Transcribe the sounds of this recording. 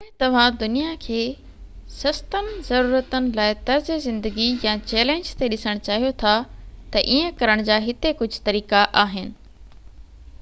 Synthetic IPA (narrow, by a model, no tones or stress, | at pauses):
ẽt̪ɐʋ̤ãd̪ʊnijakʰeː | sɐst̪ənɪ̆zɐɾuːɾət̪ənɪ̆laːɪt̪ɐɾzezɪ̃nd̪əɡijãt͡ɕeːlẽːɲd͡ʑt̪eɗɪsəɽ̃t͡ɕaːɦijot̪ʰat̪ɐʔiːə̃kɐɾəɽ̃d͡ʑaːɦɪt̪ekʊd͡ʑʱt̪ɐɾiːkaʔaːɦɪnɪ̆